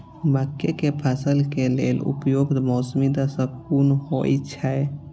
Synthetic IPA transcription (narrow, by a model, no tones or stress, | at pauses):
məkːekepʰəsəlkelelʊ̰pjoːɡd̪mɔːsmid̪asəkuːnhoit͡ʃʰae